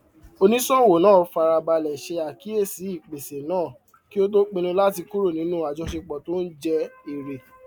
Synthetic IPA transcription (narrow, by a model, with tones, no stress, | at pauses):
o˦˧nĩ˦sɔ˦˨wo˨nãː˦˨˦fa˧ɾa˧ba˧lɛ˨ʃe˧a˨ki˦e˦˨si˨˦i˦˨k͡pe˨se˨nãː˦˨ | ki˦o˦do˦k͡pĩ˧ñũ˧la˦ti˧ku˦ɾo˦˨nĩ˨˦nũ˦a˨d͡ʒɔ̃˧˦ʃe˧k͡pɔ˨to˦n̩˦d͡ʒɛ˧i˨ɾe˨